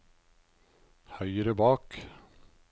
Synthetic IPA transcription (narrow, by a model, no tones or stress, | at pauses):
hœʏəɾəbɑːk